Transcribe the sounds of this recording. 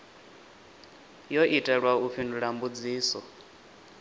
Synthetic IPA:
jɔʔitʼɛɺwaufʰinduɺambud͡ziːsɔ

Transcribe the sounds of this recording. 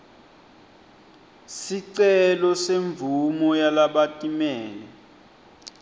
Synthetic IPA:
siǀɛlɔseɱvumɔjalaɓatʼimɛːlɛ

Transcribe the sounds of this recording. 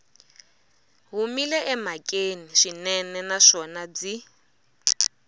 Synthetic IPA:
ɦumilɛʔɛmakʼeniʃinɛnɛnaʂɔnad͡zi

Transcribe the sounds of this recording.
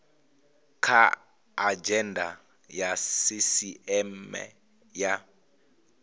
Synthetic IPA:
kʰa | ad͡ʒɛndʱa̰ | jasisiɛmɛ̰ | ja

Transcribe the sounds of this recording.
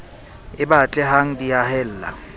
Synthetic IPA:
ɪbat͡ɬʼɛɦaŋ̩diahɛl̩ːla̰

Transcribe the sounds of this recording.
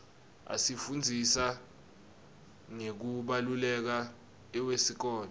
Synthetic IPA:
a̰sifund͡zʱisa | ŋek̬uɓalulɛk̬a | ɛwesik̬ɔːnɔ

